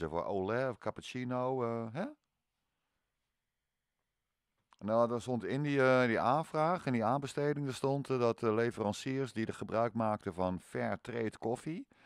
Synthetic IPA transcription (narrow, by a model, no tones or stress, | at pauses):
əfɔ̰ʔo̰ːlɛɔfkʰapət͡ʃinowɦɛ | noːdɔsontɪndidiaːnfraːxɪndiaːnbəsteːdɪŋdəstɔntdɔtəleːfərɑnsiərsdidəxəbrœɥkmaːk̚təfɔnfɛɹtreːtkʰofi